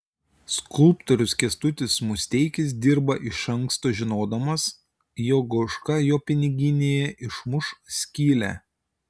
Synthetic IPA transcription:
skʊlˠpt̪ɔɾʲʊskʲɛst̪ʊt̪ʲɪsmʊsʲt̪ʲɛɪkʲɪs̬d̪ʲɪɾbɐʔɪʃɐŋkst̪oːʒʲɪnoːd̪ɐmɐs | joːɡoʃkɐjoːpʲɪnʲɪɡʲɪnʲeːjɛʔɪʃmʊʃsʲkʲiːlʲæ̰

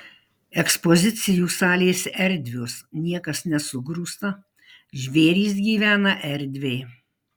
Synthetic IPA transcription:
ɛkspɔzʲɪt̪sʲɪjuːsɑːlʲeːsʲɛɾʲd̪ʲʋʲʊsnʲiɛkɐsnʲɛsʊɡɾuːst̪ɐ | ʒʲʋʲeːɾʲiːs̬ɡʲiːʋʲæːnɐʔɛɾʲd̪ʲʋʲeɪ

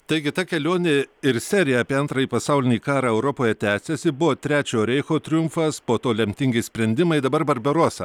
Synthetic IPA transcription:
t̪ɐɪɡʲɪt̪ɐkʲɛlʲoːnʲeɪɾsʲæɾʲɪjɛɐːpʲiɛɐnt̪ɾɐjiːpɐsɑʊlʲɪnʲiːkɑːɾɑːɛʊɾopoːjɛt̪ʲæːsʲɛsʲɪbʊʋoːt̪ʲɾʲæːt͡ʃʲoːɾʲɛɪxoːt̪ʲɾʲɪjʊmfɐspoːt̪oːlʲɛmʲt̪ʲɪŋʲɡʲɪsʲpʲɾʲɛnʲd̪ʲɪmɐɪd̪ɐbɐɾbɐɾʲbʲɛɾuɔsɐ

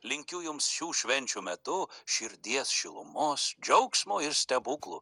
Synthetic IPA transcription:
lʲɪŋʲkʲʊjʊmsʃʲuːʃʲʋʲɛnʲt͡ʃʲuːmʲɛt̪ʊʃʲɪɾʲd̪ʲiɛsʃʲɪlˠʊ̰moːsd͡ʒʲɐʊksmoːɪɾsʲt̪ʲɛbuklˠṵ

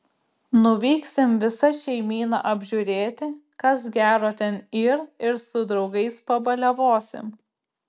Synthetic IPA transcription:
nʊʋʲiːksʲɪmʋʲɪsɐʃʲɛɪmʲiːnɐ̰ʔɐbʲʒʲuɾʲeːt̪ʲɪkɐsɡʲæːɾoːt̪ʲɛnɪɾɪɾsʊd̪ɾɒʊɡɐɪspɐbɐlʲɛʋoːsʲɪ̰m

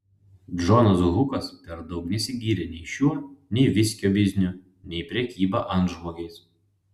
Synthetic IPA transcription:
d͡ʒoːnɐs̬ɣʊkɐspʲɛɾd̪ɒʊknʲɛsʲɪɡʲiːɾʲɛnʲɛɪʃʲuɔnʲɛɪʋʲɪsʲkʲoːʋʲɪzʲnʲʊ | nʲɛɪpʲɾʲɛkʲiːbɐʔɐnt̪ʒmoːɡʲɛɪs

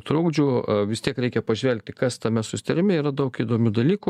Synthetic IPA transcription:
t̪ɾuːɡd͡ʒʲʊʋʲɪst̪ʲiɛkɾʲɛɪkʲɛpɐʒʲʋʲɛlʲk̚ʲt̪ʲɪkɐst̪ɐmʲɛsʊsʲɪ̥t̪ɐɾʲɪmʲɛiːɾɐd̪ɐʊkiːd̪oːmʲud̪ɐlʲiːku

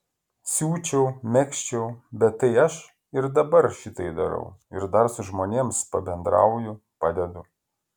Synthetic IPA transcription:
sʲuːt͡ʃʲɛʊmʲɛkʃʲt͡ʃʲɛʊbʲɛt̪ːɐɪɐʃ | ɪɾd̪ɐbɐɾʃʲɪt̪ɐɪd̪ɐɾɐ̰ʊɪɾd̪ɐɾsʊʒmoːnʲeːmspɐbʲɛnd̪ɾɑ̰ʊjʊ | pɑːd̪ʲɛd̪ʊ

